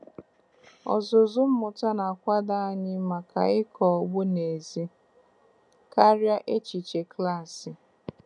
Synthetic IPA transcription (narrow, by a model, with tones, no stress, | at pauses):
ɔ̰˨zʊ˨zʊ˦m̩˦mʊ˨ta˦na˨kʷa˦da˦a˦ɲɪ˦ma˨ka̰˨ɪ˦kɔ˨ɡ͡bʊ˦ne˨zi˦ | ka˦ɾja˦ʔe˦t͡ʃi˨t͡ʃe˨kla˦˨sɪ˨